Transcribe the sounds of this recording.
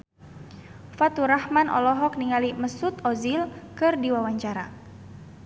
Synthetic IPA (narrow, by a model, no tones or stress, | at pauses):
fat̪uɾahmanʔɔ̰lɔɦɔk̚niŋaliməsut̪ɔzilkɨrdiwawaɲt͡ʃaɾa